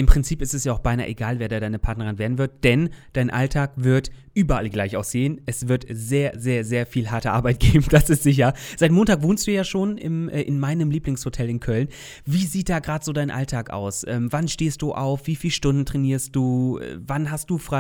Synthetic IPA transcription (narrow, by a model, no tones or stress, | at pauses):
ʔɪmpʁ̥ɪnt͡siːpɪstɛsjaːʊxb̥aɪna̰ːʔeɡaːlveːɐdaːɐdaɪnəpʰaɐtnəʁɪnveːɐdn̩vɪɐt̚d̥ɛnd̥aɪnʔa̰ltʰaːkvɪɐtʔyːbɐʔa̰lɡlaɪçaʊxz̥eːənʔɛsv̥ɪɐtzeːɐzeːɐzeːɐfiːlɦaɐtəʔa̰ɐbaɪt̚ɡ̥eːbm̩d̥asɪstz̥ɪç̬ɐz̥aɪt̚moːntaːkvoːnstd̥uːjaːʃoːnɪ̰mʔɛːʔɪnmaɪnəmliːplɪŋshotʰɛlɪnkʰœln | viːziːt̚d̥aːɡʁaːdəz̥oːdaɪnʔa̰ltʰaːkʔa̰ʊsʔɛ̰ːmvanʃteːst̚d̥uːʔa̰ʊfv̥iːfiːlʃtʊndn̩tʁ̥ɛniːɐst̚d̥uːɛ̰vanɦast̚d̥uːfʁ̥a